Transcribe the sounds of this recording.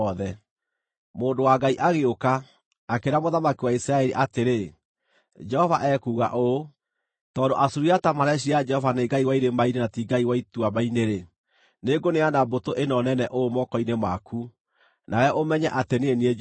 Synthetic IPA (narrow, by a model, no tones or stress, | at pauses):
ɔðɛ | moːndowaɡaiʔaɣeokaː | keɾamoðamakiwaisɾaɛɾiʔateɾe | d͡ʒɛhɔvaʔɛkuːɣa̰ʔo | tɔːndoʔasuɾiatamaɾɛɕ̬iad͡ʒɛhɔvaneɡaiwaiɾemainenatiɡaiwaituamaineɾe | neɡoneanabotoʔenɔnɛnɛʔoomɔkɔinemakʰu | nawɛʔomɛɲɛʔateneenie